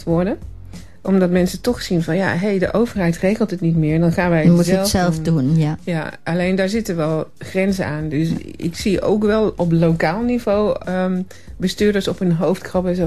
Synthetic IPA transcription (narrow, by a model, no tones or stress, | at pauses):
tʋɔɹdə | ʔɔmdɑtmɛnsətɔχsinvɔnja̰ɦejdəʔowvəɹɦɛjtrejɣəlˠtətnitmɪːɹndɔnχaːnʋɛjuɛlˠɛlˠfdunjaʔalejndaːɹzɪtənʋɛlˠχrɛnzəaːndøsɪ̰ksio̰wkʋɛlˠɔp̬lowkaːlˠnivowə | bəstyːɹdəɹsɔpɦənɦowftkrɑpɛnzo